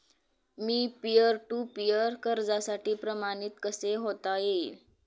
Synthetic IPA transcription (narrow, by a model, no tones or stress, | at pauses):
miːpijəɾʈupijəɾkəɾd͡zasaʈiːpɾəmañit̪kəseɦot̪ajeil